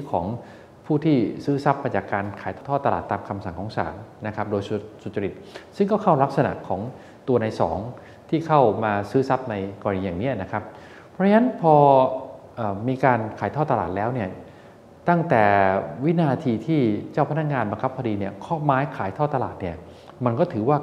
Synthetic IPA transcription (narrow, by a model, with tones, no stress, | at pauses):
kʰɔː˩˦ŋ | pʰuː˥˩t̪ʰiː˥˩sɯː˦˥sa˦˥p̚maː˧jt͡ɕaː˨˩kːaː˧nkʰaː˩˦j̪ʰɔː˥˩t̪ːa˧la̰ː˨˩t̪ːaː˧mkʰa˧msa˨˩˦ŋkʰɔː˩˦ŋsa̰ː˩˦nna˦˥kʰa˦˥p̚doː˧jsu˨˩t̪su˨˩t̪̚t͡ɕa˧ɾi˨˩t̪̚sɯ˥˩ŋkɔː˥˩kʰa˥˩wla˦˥k̚sa˧na̰˨˩kʰɔː˩˦ŋ | t̪u˧ɐnaː˧jsɔ̰ː˩˦ŋ | t̪ʰiː˥˩kʰa˥˩wmaː˧sɯː˦˥sa˦˥p̚na˧jkɔː˧ɾa˧iː˧jaː˨˩ŋniː˦˥ʔna˦˥kʰa˦˥p̚ | pʰɾɔ˥a˥na˦˥npʰɔː˧ʔɤː˨˩miː˧kaː˧nkʰaː˩˦jt̪ʰɔː˥˩t̪a˧la̰ː˨˩lɛː˦˥wni˥˩ɐ | t̪a˥˩ŋt̪ɛː˨˩wi˦˥naː˧t̪ʰiː˧t̪ʰiː˥˩t͡ɕaː˥˩wpʰa˧˩nː˦a˥k̚ŋaː˧nba˧ŋkʰa˦˥p̚ʰːdiː˧ni˥˩ɐkʰɔː˥˩maː˦˥jkʰaː˩˦jt̪ʰɔː˥˩t̪ːa˧laː˨˩t̪̚ni˥˩ɐ | ma˧nkɔː˥˩t̪ʰɯː˩˦waː˥˩